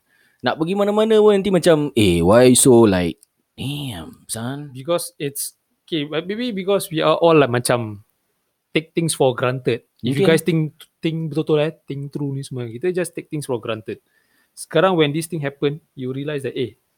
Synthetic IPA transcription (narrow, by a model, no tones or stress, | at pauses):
na̰ʔ̚pəɡimanamanəwənãnt̪̬ĩmat͡ʃãmewajsola̰ɪk̚ | emsanbikɔsits | okebabebibikɔswiaʔɔlːaɪk̚mat͡ʃãm | t̪ek̚t̪ĩŋsfɔɡɾãnt̪ət̚ifjuɡajst̪ĩŋt̪ĩŋbit̪ot̪olat̪ĩŋt̪ɾunĩsmãɡit̪əd͡ʒastek̚t̪ĩŋsfɔɡɾãnt̪ət̚ | sə̥kaɾãŋwɛ̃ndist̪ĩŋɦɛpə̃njuɹiəlajsdɛte